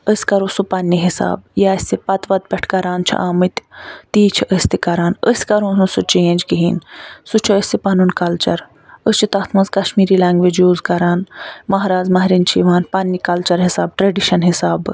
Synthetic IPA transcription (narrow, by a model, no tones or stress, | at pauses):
əsʲkɐɾõsupɐnːiɦisa̰ːbjaːsipɐt̪ʋɐt̪̚bʲɐʈʰkɐɾaːnt͡ʃʰḭʔaːmɨt̪t̪iːt͡ʃʰiʔəsʲt̪ikɐɾaːnəsʲkɐɾõːnusut͡ʃeːnd͡ʒɡiɦḭːnsut͡ʃʰiəsʲipɐnunkɐlt͡ʃɐ̰ɾ | əst͡ʃʰit̪ɐt̪ʰmɐ̃nzkɐʃmiːɾiːlaːŋɡʋeːd͡ʒjuːzkɐɾaːnmɐɦɾaːzmɐɦɾint͡ʃʰiʋaːnpɐnːikɐlt͡ʃɐɾɦisa̰ːb̚ʈɾɐɖiʃɐnɦisaːb